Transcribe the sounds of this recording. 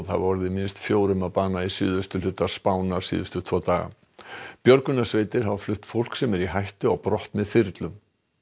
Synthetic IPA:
ðha̰vvɔɾðɪmɪnst̪fjoːwɾʏmaðpaːnaisɪ̰ːðʏst̪ʏlʏt̪ːḁspaːwnaɾ̥sḭːðʏst̪ʏt̪ʰɔːt̪aːɣa̰ | pjœɾkʏnasveːjt̪ɪɾ̥ɦavaflʏht̪fowl̥ksɛmɛɾiɦajht̪ʏɔɣpɾɔht̪mɛðfɪɾt̪lʏm

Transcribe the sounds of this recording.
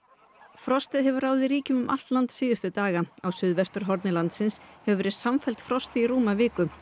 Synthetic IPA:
fɾɔst̪ɪðɦɛvʏɾraːwðɪɾiːcʏmʏmʔa̰l̥t̪lant̪sɪːðʏst̪ʏt̪aːɣaawsʏðvɛst̪ʏɾ̥ɦɔɾt̪nɪlant̪sɪnshɛvʏvɛɾɪɾsamfɛl̥t̪fɾɔst̪ɪiɾuːmavɪːkʏ

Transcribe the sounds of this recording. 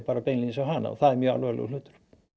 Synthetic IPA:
paːɾapejnlinsawɦana̰ɔ̰θaðɛɾmjœːa̰lœːlɛ̰ɣlʏːt̪ʏ̥ɾ̥

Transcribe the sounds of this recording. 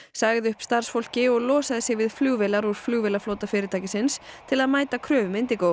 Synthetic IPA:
saːɣðɪʏhpst̪aɾ̥sfol̥cɪɔɣlɔːsaðɪsɪɣvɪðfluːvɛlaɾuɾ̥fluːɣvɪlafloːwt̪afɪːɾɪɾt̪ʰajcɪsɪnst̪ʰɪlaðmaːjt̪akʰɾœːvʏment̪ɪkow

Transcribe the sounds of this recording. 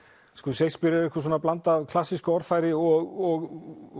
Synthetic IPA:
skɔðsejspɪɾɪɾɛhkʏsoːnaplant̪avkʰlasiskʏɔɾð̥fajɾɪɔɣɔɣ

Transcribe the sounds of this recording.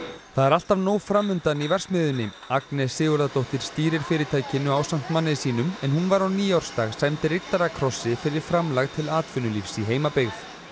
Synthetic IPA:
θaðɛɾal̥t̪avnoːwfɾamːʏnt̪anivɛr̥smɪːðʏnːɪ | aknɛsːɪːɣʏɾðat̪owht̪ɪɾ̥st̪iːɾɪɾ̥fɪːɾɪt̪ʰaːjcɪnʏawsam̥t̪manːɪsiːnʏmɛnhunvaɾaniːjawɾ̥st̪aɣsajmt̪ɪrɪt̪ːaɾakʰɾɔsːɪfɪɾɪɾ̥fɾamlaɣt̪ʰɪlaːt̪fʏnʏlifsiɦeːjmapɪɣθ

